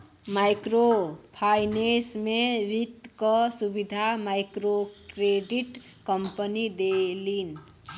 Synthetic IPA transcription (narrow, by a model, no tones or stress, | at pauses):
maɪkɾopʰanesmẽʋit̪kɔsubid̪ʱamaɪkɾokɾeɖiʈ | kəmpənid̪elin